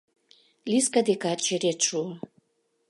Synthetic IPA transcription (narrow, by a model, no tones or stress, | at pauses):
lʲiskad̪ekat͡ʃeɾet̪ʃuo